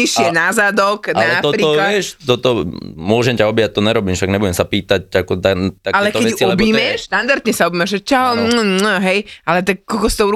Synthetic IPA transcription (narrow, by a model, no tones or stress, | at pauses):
iʃɪɛnazad̪ɔk̪aɛt̪ɔpɾiːɔlaɪɛʃt̪ɔt̪ɔmʊɔʒɛmcaɔbijac̚t̪ɔɲɛɾɔbiːmʃaɡɲɛbuɟɛmsapiːt̪ac̚akɔt̪at̪akalɛɛk̪ɔɛɛt͡siɔllɛbiːmɛʃʃt̪and̪aɾt̪ɲɛsaubiːmɛʒɛt͡ʃaɦɔnəɦɛjʔalɛt̪ak̚kːɔlkɔsit̪ɔuɾ